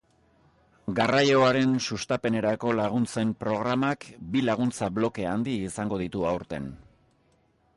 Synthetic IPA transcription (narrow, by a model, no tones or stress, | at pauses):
ɡarajo̞aɾe̞nsust̪ape̞ne̞ɾako̞laɣ̞unt͡se̞mpɾo̞ɣ̞ɾamakbilaɣ̞unt͡saβlo̞ke̞and̪iːsaŋɡo̞ðit̪uawɾt̪e̞̰n